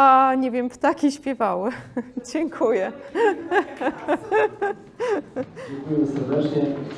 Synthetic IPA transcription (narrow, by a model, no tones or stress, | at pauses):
aɲɛvʲjɛmpt̪akʲiɕpʲjɛvawɘd͡ʑɛŋkʰujɛ | ŋkujɛmsɛɾd̪ɛt͡ʂɲɛ